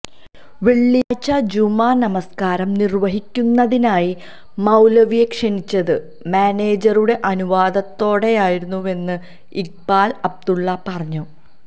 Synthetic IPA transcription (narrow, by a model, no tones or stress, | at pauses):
ʋeɭːijaːt͡ɕːɐd͡ʑumaːnɐmɐskaːɾɐmnirʋɐɦikʲːunːɐðinaːji | mɐwlɐʋijekʂenit͡ɕːɐðɨ | maːne̞ːd͡ʑɐruɽe̞ʔɐnuʋaːd̪ɐt̪ːo̞ːɽe̞jaːjiɾunːue̞nːɨ | iɡ̚baːlɐb̚d̪uɭːɐpɐrɐɲːu